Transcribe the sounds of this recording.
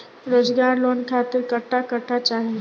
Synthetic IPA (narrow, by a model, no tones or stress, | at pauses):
ɾoːd͡ʒɡaːɾloːnkʰaːt̪ɪɾkəʈʰːakəʈʰːat͡ʃaːɦe